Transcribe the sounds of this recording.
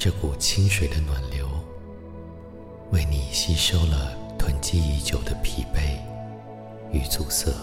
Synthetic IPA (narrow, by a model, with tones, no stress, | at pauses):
ʈ͡ʂɤ˥˩ku˨˩t͡ɕʰi˥ŋʂwe˨˩ɪd̪ə˦nwa˨˩nljo˧˦ʊ | we˥˩ɪni˨˩ɕi˥ʂo˥ʊlə˨t̪ʰwə˧˥nt͡ɕi˥˧i˧˥t͡ɕjo˨˩ʊd̪ə˦pʰi˨˩pe˥˩ɪ | y˨˩t͡su˨˩sɤ˥˩